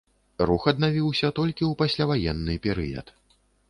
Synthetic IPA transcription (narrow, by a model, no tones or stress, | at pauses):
ruxɐd̪navʲiwsʲɐt̪ɔlʲkʲiupasʲlʲavajɛnːɨpʲɛɾɨ̰jɐ̰t̪